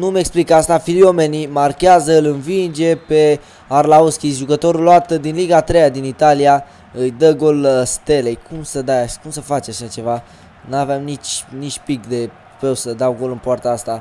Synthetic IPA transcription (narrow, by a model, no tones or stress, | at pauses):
numeksplikəast̪afilio̞me̞nimarkʲeazəɨlɨnvind͡ʒe̞pe̞ | arlauskʲiʒukət̪o̞ɾulːoat̪d̪inliɡaːt̪ɾejad̪init̪alija | ɨjd̪əɡo̞lst̪e̞lejkumsəd̪ajaʃkumsəfat͡ʃaʃat͡ʃe̞va | nuaveamnit͡ʃnit͡ʃʲpikd̪e̞ | pewsəd̪awɡo̞lɨnpoart̪aast̪a